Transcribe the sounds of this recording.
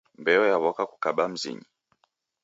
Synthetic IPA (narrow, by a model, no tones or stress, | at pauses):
mbɛɔjaβɔkaku̥kaɓam̩zḭɲi